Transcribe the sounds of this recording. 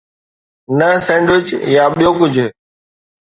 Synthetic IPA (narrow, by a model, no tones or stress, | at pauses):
nəsẽːɳɖʋɪt͡ʃjaːɓijõːkʊd͡ʑʱɦː